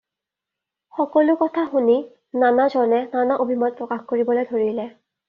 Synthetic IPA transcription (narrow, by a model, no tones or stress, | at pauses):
xɔkɔlʊkɔtʰaxuni | nanazɔnɛnanaʔobʱimɔt̚pɹɔkaxkoɹibɔlojdʱoɹilɛ